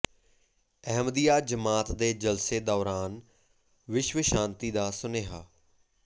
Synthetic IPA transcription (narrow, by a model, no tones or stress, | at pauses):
ɛɦmd̪ijaːd͡ʒəmaːt̪d̪eːd͡ʒəlseːd̪ɔːɾaːn | ʋɪʃʋəʃãːnt̪iːd̪aːsʊneːɦaː